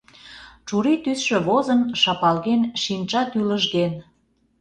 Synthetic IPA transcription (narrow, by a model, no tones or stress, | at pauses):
t͡ʃuɾit̪ysʃĕβozənʃɑpɑlɣenʃint͡ʃɑt̪yləʒd̪en